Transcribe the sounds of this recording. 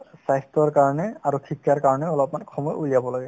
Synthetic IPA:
sajst̪ɔɹkaɹɔnɛaɹukʰikːaɹkaɹɔnɛɔlɔpmankʰɔmɔjulijabɔlaɡɛ

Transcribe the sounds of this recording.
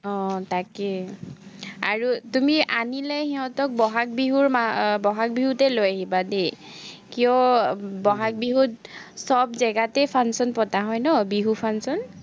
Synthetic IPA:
ɔtakɛ | aɹutumiʔanilajhɛɦɔtɔk̚bɔɦak̚biɦuɹmabɔɦak̚biɦutɛlojaɦibade | kijɔbɔɦak̚biɦut̚sɔbzɛɡatɛpʰansɔnpɔtaɦɔjnɔbiɦupʰansɔn

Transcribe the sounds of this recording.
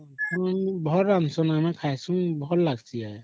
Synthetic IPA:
ansɔbʱɔɾansɔnamɛkʰajsuŋbʱɔɾlaɡsija

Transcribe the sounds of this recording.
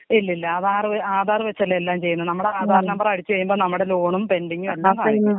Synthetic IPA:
ilːɐilːɐaːðaːrʋaːd̪ʱaːrɨʋɐt͡ɕːelːelːaːmt͡ɕe̞jːunːɐɨnɐmːuɽeaːd̪ʱaːɾɐnɐmbɐrɐɽit͡ɕːɨʋɐjːumboːnɐmːuɽelo̞ːɳumpe̞ndiŋːumɐlːaɐmkɐɐjnːu

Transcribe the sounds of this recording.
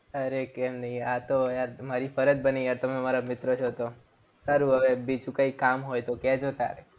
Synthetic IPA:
əɾekɛmnəɦiat̪ojaɾmaɾifʰəɾəd͡ʒbəneaɾt̪əmemaɾamɪt̪ɾət͡ʃʰot̪o | saɾuəʋebid͡ʒũkəikamɦojt̪okɛd͡ʒot̪ja̰ɾe

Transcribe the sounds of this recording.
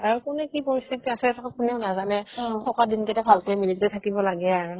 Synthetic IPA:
aɹukunɛkipoɹistitiasɛɛtʰakakunɛʊnazanɛsʰɔkadintɛtɛbʱalkɛmiliztɛtʰakibɔlaɡɛaɹu

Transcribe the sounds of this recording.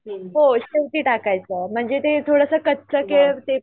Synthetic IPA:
ɦoɕewʈ̪iːʈakajt͡səm̤əɳd͡zet̪et̪ʰoɽəsəkətːt͡səket̪e

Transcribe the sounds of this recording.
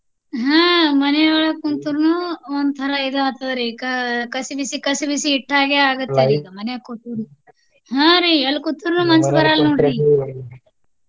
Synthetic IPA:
ɦãːmɐnɛɡɐɭɐkunt̪uɾnuond̪ut̪ʰɐɾɐid̪ɐɐt̪ʰɐʋɐɾikɐkɐsibisikɐsibisiːʈːaːɡeaːɡut̪ːeɾiːɡɐmɐnɛjɐkut̪uɾu | ɦãːɾielːkut̪ːuɾnumɐnsbɐɾaːlnoːɽi

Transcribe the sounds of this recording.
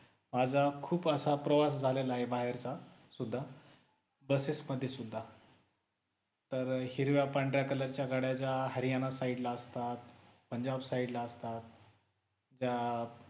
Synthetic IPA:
mad͡zʱakʰuːpəsapɾəʋasd͡zʱalelaɦebaɦeɾt͡sasud̪ʱːa | bəsesməd̪ʱːjesud̪ʱːa | t̪əɾhiɾʋjapaɳɖɾjakələɾt͡ɕjaɡaɽjat͡ɕjaɦəɾijanasaiɽlaəst̪at̪pəɲd͡ʑabsaiɖlaəst̪at̪̚ | d͡ʑa

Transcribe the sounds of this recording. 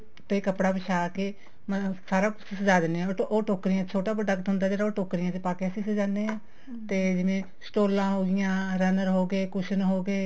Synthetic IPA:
t̪eːkəpɽaːbɪʃʰaːke | msaːɾaːkʊt͡ʃsəd͡ʒaːd̪eːneːãoːʈoːkɾɪjãːt̪t͡ʃʰoːʈaːpəɖəkʈ̪ɦʊnd̪aːd͡ʒeːɾaoːʈoːkɾɪjãːt̪eːpaːkeəsĩsəd͡ʒãːnd̪eːãː | t̪eːd͡ʒɪʋẽː | sʈoːlãːɦoːɡɪjãːɾənəɾɦoːɡeːkʊʃənɦoːɡeː

